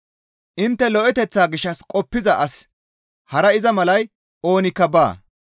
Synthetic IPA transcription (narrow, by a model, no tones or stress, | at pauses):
ʔɪnt̪ːɛlɔʔɛt̪ɛt͡sːaːɡɪʃːɐskʼɔpːɪzɐʔɐs | hɐɾɐɪzɐmɐlɐj | ʔo̞ːnɪkːɐba̰ː